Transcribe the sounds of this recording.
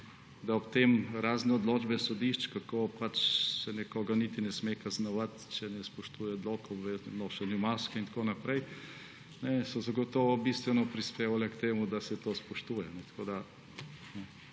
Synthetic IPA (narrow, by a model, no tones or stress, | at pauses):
d̪aɔpt̪emɾaːznɛɔd̪loːd͡ʒbɛsɔd̪iʃt͡ʃkakoːpat͡ʃsɛnɛkoːɡanit̪inɛsmekaznɔʋat̪t͡ʃɛnɛspɔʃt̪uːjɛd̪loːkɔʋɛnoːʃɛnjumaʃkɛint̪konapɾɛj | nɛsɔzaɡɔt̪ɔːʋɔbist̪ʋɛnɔpɾispeːʋalɛkt̪eːmud̪asɛt̪ospɔʃt̪ujɛnɛt̪koːd̪a | nɛ